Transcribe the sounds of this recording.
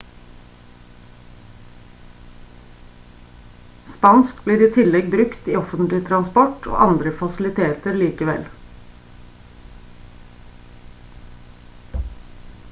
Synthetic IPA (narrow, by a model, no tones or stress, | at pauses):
spɑnskbliːɾiːt̪ʰɪlɛɡ̚bɾʉkt̪iːɔfənt̪lɪt̪ʰɾɑnspɔʈʰo̰ːʔɑnd̪ɾəfɑslɪt̪ʰeːt̪əɾliːkəʋɛ̰l